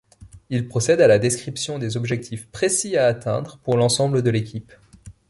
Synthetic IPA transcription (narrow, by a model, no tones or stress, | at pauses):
ilpχɔsɛd̪alad̪eskχipsjɔ̃d̪ezɔbʒɛk̚t̪ʰifpχesiaːt̪ɛ̃d̪ʁəpuʁlɑ̃sɑ̃bləd̪əlekʲip